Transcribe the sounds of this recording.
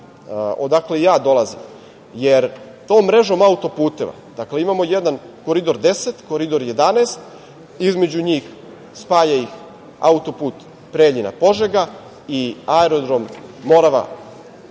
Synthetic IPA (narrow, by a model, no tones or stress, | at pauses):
ʔod̪akle̞jaːd̪o̞lˠazḭm | jeɾ | t̪oːmːɾe̞ʒo̞maut̪o̞puːt̪e̞ʋa̰d̪̥akle̞imamo̞jed̪an | ko̞ɾid̪o̞ɾd̪e̞set̪koɾid̪o̞ɾje̞d̪aneːst̪ | izme̞d͡ʑuɲiːx | spaːʎaix | a̰ut̪o̞puːt̪ | pɾeːʎina̰po̞ʒeɡa | iaeɾod̪ɾo̞mːo̞ːɾaʋa̰